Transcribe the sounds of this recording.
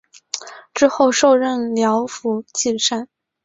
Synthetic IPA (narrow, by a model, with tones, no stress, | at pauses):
ʈ͡ʂɻ̩˥xo˥˧ʊʂo˥˧ʊɻə˥˩nljɑ˧˥ʊfu˧˥t͡ɕi˥˩ʂa˥˩n